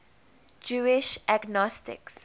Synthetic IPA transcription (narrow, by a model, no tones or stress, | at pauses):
d͡ʒuːɪʃaɡnɔstɪ̰ks